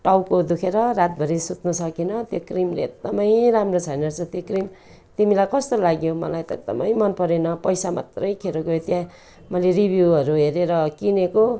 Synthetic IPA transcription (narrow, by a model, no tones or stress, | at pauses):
ʈawkod̪ukʰeɾʌɾat̪̚bʱʌɾisut̪nʌsʌkenʌt̪jokrimleːɡ̚d̪ʌmʌj̃ɾamrot͡sʰajnʌrt͡sʰʌt̪jokrim | t̪imilajkʌst̪olaɡjomʌlajt̪ʌed̪ʌ̰mʌjmʌnpʌɾenʌpʌjsama̰t̪rʌjkʰeɾoɡʌjot̪jã | mʌjleribʱjuʌɾuɦeɾeɾʌkineko